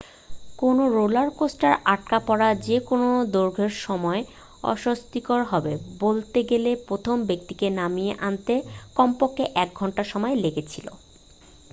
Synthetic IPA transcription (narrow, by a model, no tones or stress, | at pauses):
konoɾolaɾkosʈaɾaʈ̚kapɔɾad͡ʑekonod̪oɾɡʱeɾʃɔmɔe | ɔ̰ʃost̪ikɔɾɦɔbebolt̪eɡelepɾot̪ʰombek̚t̪ikenamijeʔant̪ekɔmpokːeʔɛk̚ɡʱɔɳʈaʃɔmɔeleɡet͡ɕʰilo̰